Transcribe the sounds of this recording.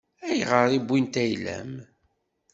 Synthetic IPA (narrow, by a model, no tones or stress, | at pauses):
æjʁəɾˤibʷːint̪æjlæ̰m